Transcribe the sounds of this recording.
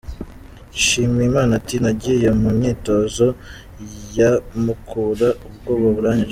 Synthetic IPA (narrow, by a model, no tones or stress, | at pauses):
iʃiːmiimaːnatinaɟijomumɲiːto̞ːzo | jamukʰuːɾaubɡoːkoβuɾaːɲd͡ʒe